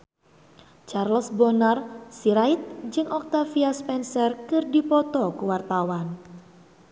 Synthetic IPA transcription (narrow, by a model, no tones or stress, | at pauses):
t͡ʃarlsbɔnarsiɾait̪̚d͡ʒɨŋɔk̚t̪afiaspɛnsərkɨrdipɔt̪ɔkuwart̪awan